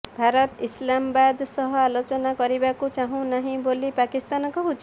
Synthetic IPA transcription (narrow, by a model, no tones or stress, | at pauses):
bʱaɾɔt̪islamɔbad̪sʌɦɔalot͡ʃɔnakɔɾibakut͡ʃaɦũnaɦĩbolipakist̪ankɔɦut͡ʃ